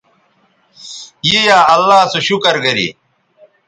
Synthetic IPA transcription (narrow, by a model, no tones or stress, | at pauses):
jejaːɐlːaːsuɕukɐɾɡɐɾḭ